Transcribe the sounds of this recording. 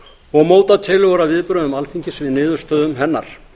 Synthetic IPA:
ɔɣmoːwt̪at̪ʰɪlɔɾavɪðpɾœːðʏmalθiɲcɪsvɪðnɪːðʏɾ̥st̪œːðʏmɦɛnːa̰ɾ̥

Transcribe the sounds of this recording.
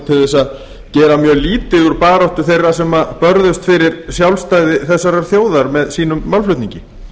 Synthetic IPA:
t̪ʰɪlðɛsað | cɛːɾamjœːɣliːt̪ɪuɾpaːɾɔht̪ʏθejrːasɛmapœɾðʏst̪fɪɾɪɾsjawlst̪ajðɪθɛsːaɾaɾ̥θjoːwðaɾmɛðsiːn̪ʏmːawlflʏt̪nĩɲcɪ

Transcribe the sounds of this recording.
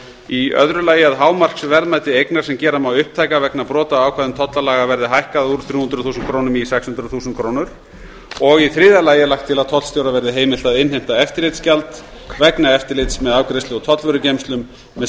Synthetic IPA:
iœ̰ðɾʏlaːjɪaðɦaːwmar̥ksvɛɾðmajt̪ɪejknaɾ̥sɛmcɛːɾamawʏhp̚t̪ʰajkavɛknapɾɔːt̪aaːwkʰvɛːðʏmt̪ʰɔt̪lalaːɣavɛɾðɪɦajhkaðauːɾ̥θɾjuːhʏnt̪ɾʏðθuːsnkʰɾoːwnʏmisɛkshʏnt̪ɾʏðθuːsʏnt̪kʰɾoːwnʏɾ̥ | ɔɣiθɾɪːðalaːjɪlajxkt̪ʰɪlaðt̪ʰɔt̪lst̪jowɾavɛɾðɪɦeːjmɪl̥t̪aðɪnɦejm̥t̪aɛft̪ɪɾlɪjt̪scalt̪ | vɛknaɛft̪ɪɾlɪt̪smɛðawkɾejst̪ʏɣɔt̪ʰɔt̪lvœɾʏcejmst̪lʏmː | ɛ

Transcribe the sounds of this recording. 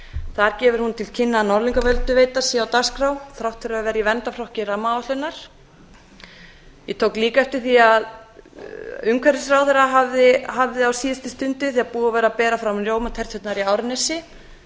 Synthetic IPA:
θaɾcɛːvʏɾ̥hunt̪ʰɪlcʰɪnːanɔɾliŋkavœlt̪ʏveːjt̪asiɛawt̪askɾawθɾawht̪fʏɾavɛːɾjivɛnt̪afɾɔhcɪramːaat̪lʏnːaɾ̥ | jɛt̪ʰoːwkliːkaɛft̪ɪɾ̥θiað | ʏmkʰvɛɾɪsɾawθɛɾaɦavðɪɦavðɪawsiːɛst̪ɪst̪ʏnt̪ɪθiaðpuːavɛːɾapɛːɾafɾamɾjoːwmat̪ʰɛr̥t̪ʰœt̪naɾiaːwɾɪnɛsɪ

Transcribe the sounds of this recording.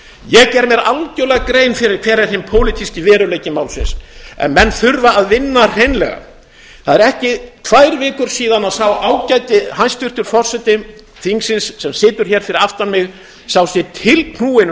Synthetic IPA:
jɛɣcɛɾmjɛɾalcœːlɛɣkɾeːjnfɪɾɪɾkʰvɛːɾɪɾ̥ɦɪjmpʰoːwlɪt̪ʰiscɪvɛːɾʏleːjcɪmawlsɪ̰nsɛ̰nmɛnːθʏɾvaːðvɪnːar̥ejnlɛ̰ɣa̰ | θaðɛɾɛhcɪt̪ʰvajɾvɪːkʏɾ̥siːðanaðsawaːwcajt̪ɪɦanst̪ʰʏr̥t̪ʏɾ̥fɔr̥sɛt̪ɪ | θiŋksɪnsːɛmsɪːt̪ʏɾ̥çɛːɾ̥fɪɾɪɾaft̪anmɪɣ | saːwsjɛt̪ʰɪlpʰnuːɪn

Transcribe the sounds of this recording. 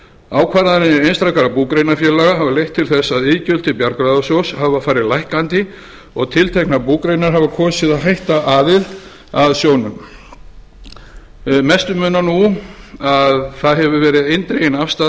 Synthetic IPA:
aːwkʰvaːɾaðɾɪnɪejnst̪ɾawkaɾapuːkɾejnafjɛːlaɣaɦavalejht̪ʰːɪlθɛsːaðɪːcœl̥t̪ɪpjaɾkɾaðasowshavafaːɾɪðlajhkant̪ɪ | ɔɣt̪ʰɪlt̪ʰejhknapuːkɾejnaɾ̥ɦavakʰɔːsɪðaðɦajht̪aʔaːðɪl | aðsjoːwnʏm | mɛst̪ʏmʏːnanuaðθaðɦɛvʏvɛːɾɪðejnt̪ɾejɪnafst̪a

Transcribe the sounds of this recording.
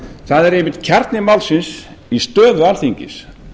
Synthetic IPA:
θaðɛɾejmɪt̪̚cʰɛɾt̪nɪmawlsɪnsist̪œːðʏalθiɲcɪ̰s

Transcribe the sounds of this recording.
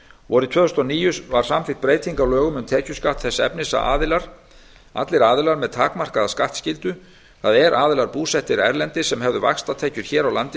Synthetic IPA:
vɔːɾɪt̪ʰœːθʏst̪ɔniːjʏvaɾ̥samfɪht̪̚pɾeːjt̪ʰiŋkalœːɣʏmʏmt̪ʰɛːcʏskaht̪θɛsːaɛ̰pnɪsa̰ʔa̰ːðɪlaɾ̥ | a̰t̪lɪɾaːðɪlaɾmɛðt̪ʰaːkmar̥kaðaskaht̪scɪlt̪ʏ | θaðɛɾʔaːðɪlaɾpuːsɛht̪ɪɾɛ̰ɾlɛnt̪ɪsɛmɦɛvðʏva̰xst̪at̪ʰeːcʏɾ̥çɛːɾawlant̪ɪ

